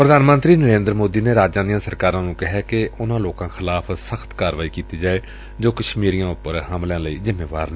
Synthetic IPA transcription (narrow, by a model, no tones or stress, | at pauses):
pɾəd̪ʱaːnmənt̪ɾiːnəɾẽːnd̪ɾəmoːd̪iːneːɾaːd͡ʒãːd̪ijãːsəɾkaːɾãːnũːkɪɦɛːkeʊnãːloːkãːxʰɪlaːpʰsəxʰt̪kaːɾʋaːiːkiːt̪iːd͡ʒaːeː | d͡ʒoːkəʃmiːɾijãːʊpːəɾɦəmlãːləiːzɪmːeːʋa̰ːɾnẽː